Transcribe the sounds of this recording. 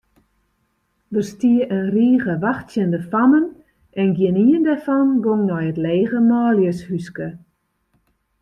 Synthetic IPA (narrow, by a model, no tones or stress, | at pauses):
dərstiəʔənriːɣəʋaxtsjəndəfamən | ɛnɡjɪniəndɛrfɔnɡoŋnɔjətleːɣəmaːljəshyskə